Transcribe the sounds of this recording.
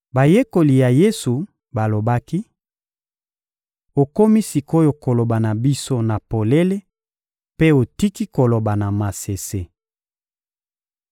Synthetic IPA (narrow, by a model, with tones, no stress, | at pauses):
ba˨je˦ko˨li˨ja˨je˦su˨ | ba˨lo˨ba˦ki˦ | o˨ko˦mi˦si˨ko˦jo˨ko˨lo˨ba˨na˨bi˦so˦na˨po˨le˦le˦ | pe˦o˨ti˦ki˦ko˨lo˨ba˨na˨ma˨se˨se˦